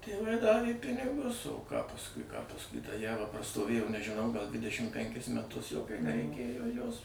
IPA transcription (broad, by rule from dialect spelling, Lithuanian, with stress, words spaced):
tʲeːˈʋɐɪ ˈdɑːʋʲeː ˈpʲɪnʲɪɡʊs oː kɑː pɐsˈkʊɪ pɐsˈkʊɪ tɐ ˈjæːʋɐ prɐstoːˈʋʲeːjoː nʲɛʒʲɪˈnɐʊ ɡɐlˠ ˈdʲʋʲɪdʲɛʃʲɪm ˈpʲɛŋʲkʲɪs mʲɛˈtʊs jɛʊ nʲɛrʲɛɪˈkʲeːjoː ˈjoːs